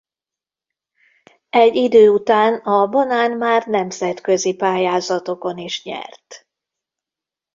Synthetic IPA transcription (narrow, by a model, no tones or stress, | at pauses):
ɛɟːid̪øːut̪aːnɒbɒnaːnmaːrnɛmzɛt̪kø̞zipaːjaːzɒt̪o̞ko̞niʃɲɛ̰rt̪